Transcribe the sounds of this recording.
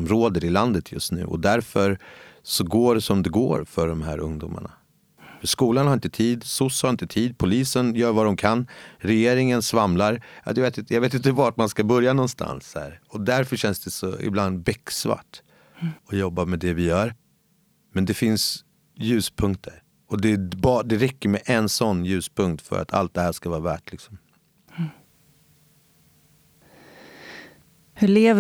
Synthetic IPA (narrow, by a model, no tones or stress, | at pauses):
mɾoːd̪əɾɪland̪ət̪ʰjɵ̰st̪nʉ̟̰ːʔɔ̰d̪æɾfœɾsɔɡoːɖɛsɔmd̪ɛɡo̰ːɾfœɖɔmɦæ̰ːɾʔɵ̰ŋd̪ṵːmʔa̰ɳa̰ | fœʂkuːlanhaɾɪnt̪ət̪ʰiːd̪sʊshaɾɪnt̪ət̪ʰiːd̪̚pʰʊliːsənjœːɾvad̪ɔmkʰanɾɛjeːɾɪŋənsvamlaɾjɑ̰d̪ɛveːt̪ɪjaɡveːt̪ɪnt̪əvaʈmanskabœɾjanɔnst̪ʰa̰nshæ̰ːɾɔd̪æɾfœʂɛnsd̪ɛsɔ̰ɪ̰bland̪bɛkːsva̰ʈ | ɔjɔbːamɛd̪ɛvɪjœːɾ | mɛnd̪ɛfɪns | jʉ̟ːspʰɵŋkt̪ʰəɾ | ɔd̪ɛbd̪ɛɾɛkːəɾmɛʔɛnsɔnːjʉ̟ːspʰɵŋkt̪fœ̰ɾʔa̰t̪ʰa̰lt̪̚d̪ɛhæːʂkavɑːɾavæ̰ːʈlɪksɔm | hɵɭeːv